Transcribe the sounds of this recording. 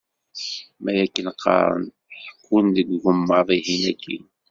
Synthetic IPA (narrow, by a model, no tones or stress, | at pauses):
mæjækːənqːɑ̰ɾˤə̰n | ħkːunðəɡɡʊmːɑðˤiɦinækʰːḭn